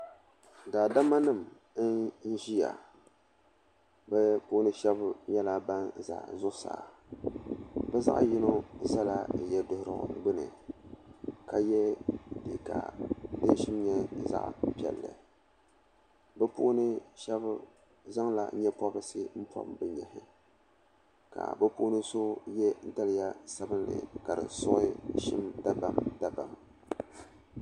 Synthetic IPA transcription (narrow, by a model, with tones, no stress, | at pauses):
daː˨da˦ma˦nɨ˦˨m˦ | n̩˦ʒi˦ja̰˨ | bɛ˦pʊ˦nɨ˦ʃɛ˦bɲɛ˦la˦ba˦nza̰˨zʊ˦ʔʊ˦sa̰˨ | bɛ˦za̰˦ʔji˦no˦za˦la˨jɛ˦dʊ˦hʊ˦ɾɨ˨ʔʊ̰˨ɡ͡bɨ˦nɨ̰˨ | ka˨jɛ˦dɨ̰˨ka̰˨dɨ˦n˦ʃɪ˦m˦ɲɛ˦˨za̰˦ʔpɛ̰˨lːɨ̰˨ | bɛ˦po˦nɨ˦ʃɛ˦b | za˦ŋla̰˨˦ɲɛ˦pɔ˦bɨ˦sɨ˦m̩˦pʰɔ̰˦mbɨ˨ɲɛ˨hɪ˦ | ka̰˨bɛ˦pʊ˦nɨ˦so˦jɛ˦n̩˦da˦lɪ˨ja˦sa˦bɨ˦nlɨ̰˨ka˨dɨ̰˨sʊ˦ʔʃɪ̰˦mda˦ba˦mda˦ba˨m